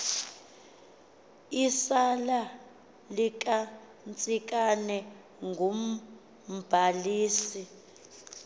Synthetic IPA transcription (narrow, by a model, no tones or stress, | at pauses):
isala | likʼa | nt͡sʼikʼanɛ | ŋɡʱom̩ | b̥ʱaliːsi